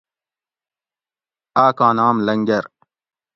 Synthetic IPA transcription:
aːkãːnaːmlɐŋɡɐɾ

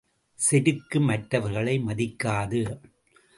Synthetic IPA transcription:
sɛɾɯkːɯmɐʈɾɐʋɐɾɣɐɭɐɪmɐðɪkːaːðɯ

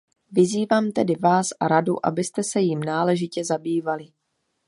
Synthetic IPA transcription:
vɪziːvaːmt̪ɛdɪvaːsʔa̰ɾadṵʔa̰bɪst̪ɛsɛjimnaːlɛʒɪcɛzabiːvalɪ

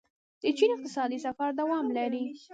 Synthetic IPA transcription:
d̪̥ət͡ʃinɪq̚t̪ɪsɑd̪isafaɾd̪awɑmlaɾi

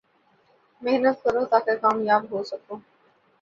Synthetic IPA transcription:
meɦnət̪kɐɾõt̪aːkekaːmjaːbɦoːsɐkoː

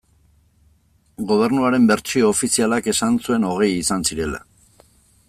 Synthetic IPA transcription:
ɡo̞β̞e̞ɾnuaɾe̞mbe̞ɾt͡sioːfisialake̞sant͡sue̞no̞ɣ̞e̞jisansiɾe̞la̰

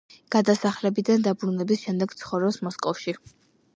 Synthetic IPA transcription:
ɡ̥ad̪asaχlɛbid̪and̪abɾunɛbisʃɛmd̪ɛɡt̪sʰχɔvɾɔsmɔskʼɔfʃi

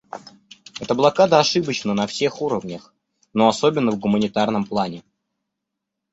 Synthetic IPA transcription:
ɛt̪əblˠɐkad̪əɐʂɨbət͡ɕnənɐfsʲe̞xuɾəvnʲəx | no̞ɐsobʲɪnːəvɡʊmənʲɪt̪arnəmplˠanʲɪ

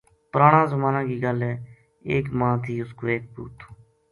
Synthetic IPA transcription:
pəɾaːɳãːzəmãːnãːkiːɡəlɛː | eːkmãːt̪ʰiːʊskoːeːk̚bṵːt̪ʰoː

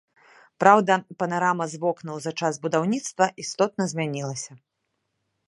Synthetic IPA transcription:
pɾawd̪ɐpɐnaɾamɐzvɔknuwzɐt͡ʂazbud̪awnʲit̪st̪vɐʔist̪ɔt̪̚nɐzʲmʲanʲilˠɐsʲɐ

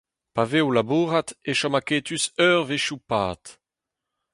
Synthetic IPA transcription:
paveolabuːʁat̪eʃamaket̪ysœːʁveʃupa̰ːt̪

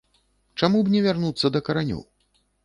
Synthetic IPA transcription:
t͡ʂamubnʲɛvʲarnut̪sːɐd̪ɐkɐɾanʲɔ̰w

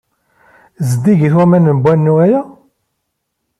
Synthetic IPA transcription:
zd̪iɡiθwæmænənbʷːænːuæjæ

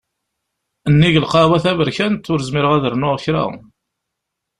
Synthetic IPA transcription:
ənːiʝəlqɑwæθævəɾçænt̪ːʊɾzmɪɾəʁæðəɾnʊʁəçɾa̰

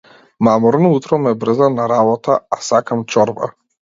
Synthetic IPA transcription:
mamɔɾnɔut̪ɾɔmɛbr̩zanaɾabɔt̪ʰaasakamt͡ʃɔɾba̰

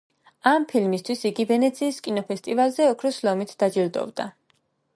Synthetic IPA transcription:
ampʰilmist̪ʰwisiɡivɛnɛt̪sʰiːskʼinɔpɛst̪ʼivalˠzɛɔkʰɾɔslɔmit̪ʰd̪̥ad͡ʒild̪ɔ̰vd̪a

